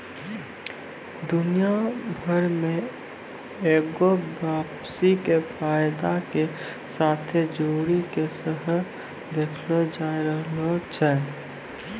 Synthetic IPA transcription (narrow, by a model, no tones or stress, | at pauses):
d̪ʊnijabʱəɾmẽ | eːɡobaːp | sikefʰaːjd̪ake | saːt̪ʰed͡ʒoːɾikesəɦə | d̪eːkʰlod͡ʒaːiɾəɦlot͡ʃʰɛ